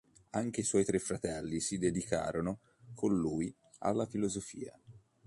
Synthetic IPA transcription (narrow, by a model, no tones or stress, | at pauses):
aŋk̟eiswɔjt̪ɾefːɾat̪ɛlːisid̪ed̪ikʰa̰ːɾono | kʰonːuːji | a̰lːafilozofiːa̰